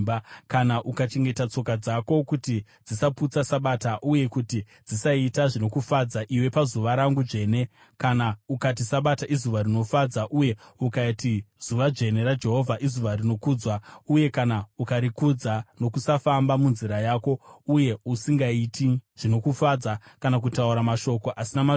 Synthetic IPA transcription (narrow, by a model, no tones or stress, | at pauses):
akanaʔukat͡ʃe̞ŋɡe̞tat͡so̞kad͡zako̞kuti | d͡zisaput͡sasaɓataʔuje̞kuti | d͡zisaitaʐino̞kufad͡zaʔiwe̞pazuʋaɾaŋɡuʐe̞ːne̞ | kanaukatisaɓataʔizuʋaɾino̞fad͡zaʔuje̞ukatiz̥uʋad͡ʒe̞ne̞ɾad͡ʒe̞ɦo̞vʱaʔizuʋarino̞kud͡zwauje̞kanaukaɾikud͡zano̞kusafambamunziɾajaːko̞uje̞usiŋɡaitiʐ̥ino̞kufad͡zakanak̬utauɾamaʃo̞ko̞ʔasinama